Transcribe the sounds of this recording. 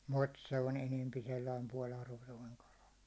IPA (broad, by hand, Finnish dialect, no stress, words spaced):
mut se on enempi selːɑim puɒl ɑrʋotoiŋ kɑlɑ